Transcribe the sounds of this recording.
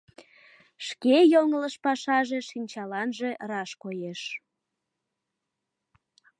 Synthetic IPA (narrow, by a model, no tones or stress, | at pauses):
ʃkejoŋələʃpɑʃɑʒe̽ʃinʲt͡ɕɑlɑnʒe̽rɑʃkojeʃ